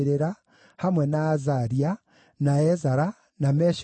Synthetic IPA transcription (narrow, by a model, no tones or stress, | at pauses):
ɾeɾa | hamwenaːzaɾia | naezaɾa | nameʃ